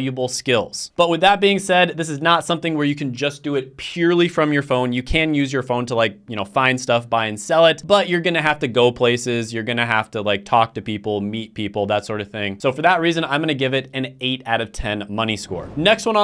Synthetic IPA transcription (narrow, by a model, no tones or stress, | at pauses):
jɨbl̩ˠskɪlˠz̥b̥ʌt̚wɨðət̚b̥iɪ̃ŋsɛd̪̚ðɪs̬ɨznətsʌ̃mθɪ̃ŋwə˞jɨkʰɨ̃nd͡ʒʌsd̥ɨɪt̚pʰj̥ʊɹlˠifɹʌ̃mjə˞fõʊ̃njɨkʰɨ̃njʉzjə˞fõʊ̃ntʰəlaɪk̚jɨñoʊfãɪ̃nd̥stʌfb̥aɪɨ̃nsɛlˠɪt̚b̥ʌt͡ʃə˞ɡʌnɨɦæftɨɡoʊpʰl̥eɪsɪzjə˞ɡʌnɨɦæftəlaɪk̚tʰɔk̚tɨpipl̩ˠmit̚pʰipl̩ˠðətsɔɹɾʌv̥θɪ̃ŋsoʊfə˞ðət̚ɹizɨ̃nãɪ̃mɡʌnɨɡɪvɨɾɨ̃neɪɾaʊɾʌv̥tʰɛ̃nmʌñiskɔ̰ɹnɛkst̚wʌ̃n